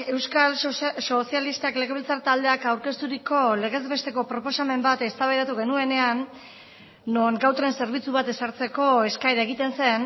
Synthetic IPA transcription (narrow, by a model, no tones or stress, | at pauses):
e̞wskalso̞sialist̪akle̞ɣe̞βilt͡saɾt̪ald̪e̞akawɾke̞st̪uɾiko̞le̞ɣe̞zβe̞st̪e̞ko̞pɾo̞po̞same̞mbat̪e̞st̪aβajɾat̪uɣe̞nue̞ne̞anː | oŋɡawt̪ɾense̞ɾβit͡suβat̪e̞saɾt͡se̞ko̞e̞skajɾae̞ɣit̪e̞nse̞n